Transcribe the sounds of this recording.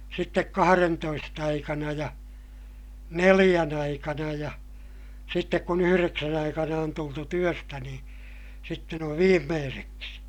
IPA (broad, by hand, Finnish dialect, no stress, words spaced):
sitːek kɑhɑrentoist ɑikɑnɑ jɑ nelij̆æn ɑikɑnɑ jɑ sitːek kun yhyreksæn ɑikɑnɑ on tultu tyøstæ nĩː sitːen oʋ ʋiːmːeːseksi